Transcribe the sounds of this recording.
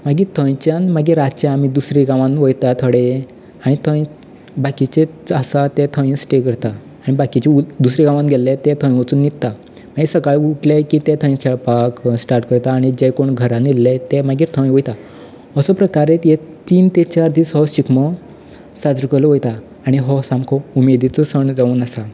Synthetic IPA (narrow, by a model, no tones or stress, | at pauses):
maɡit̪ʰə̃j̃t͡ɕjãnmaɡiɾat̪t͡ɕãamid̪usɾiɡãʋãnʋəjt̪at̪ʰoɽe | aɽ̃it̪ʰə̃j | bakit͡ɕeəsat̪ɛt̪ʰə̃ĩsʈekəɾt̪aː | ɽ̃ibakit͡ɕiud̪usɾeɡãʋãnɡʱelːet̪ɛ̃t̪ʰə̃j̃ʋət͡suːnːit̪t̪ːa | maɡisəkaɭuʈlekit̪ɛ̃t̪ʰə̃ĩkʰɛɭpaksʈaɾʈkəɾt̪aːɽ̃id͡ʑɛ̃koɳɡʱəɾanilːɛt̪ɛmaɡiːɾt̪ʰə̃ĩʋojt̪a | əsɔpɾəkaɾet̪jet̪iːnt̪et͡ɕaɾd̪iːsɦɔɕikmɔ | sad͡zɾəkəlɔʋojt̪aː | ɽ̃iɦɔsãmkʰɔumed̪it͡sɔsəɳd͡zauːnasa